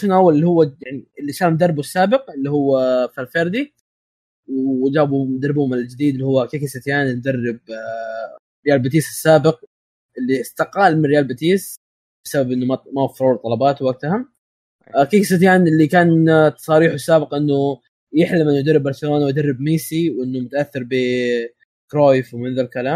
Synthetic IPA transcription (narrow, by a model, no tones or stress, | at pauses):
nʔawːalɪlːihʊwːajaʕniɪlːiʃaːɾmd̪ɑrˤːbusːaːbɪq̚ɪlːihʊwːafalfeɾd̪i | wd͡ʒaːbumd̪ɑɾˤbhʊmɪld͡ʒɪd̪iːd̪lːihʊwːakikɪsɪt̪jaːnɪld̪ɑrːɪb̚ | ɾɪjaːlbɪt̪̬iːsɪsːaːbɪq̚ | ʔɪlːist̪ɑqaːlmɪnrːɪjaːlbɪt̪iːs | b̥ɪsababʔɪnːʊmamawafːɾˤuːt̪ˤːɑlɑbɑːt̪waɡ̚t̪aham | kiksɪt̪jaːnɪlːikaːnt̪sˤɑɾiːħuɪsːaːbɪqʔɪnːʊ | jɪħlɪmʔɪnːʊjd̪ɑɾrːɪbːɑɾˤsɪloːnawjd̪ɑrˤːɪbmiːsiwʔɪnːʊmʊt̪aʔaθːɪɾˤbi | kɾoːjfwmɪnðalkalaːm